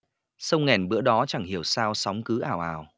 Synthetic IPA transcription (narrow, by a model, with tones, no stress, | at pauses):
sə˧wŋɛ˨˩nɓɨ̰˧˥əɗɔ˨˦t͡ɕa˧˩ŋhi˧˩əwsaː˧wsɔ˨˦wŋ͡mkɨ˨˦ʔaː˧˩wʔaː˨˩w